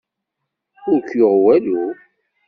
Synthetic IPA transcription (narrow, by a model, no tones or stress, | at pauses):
ʊɾkjoʁwælu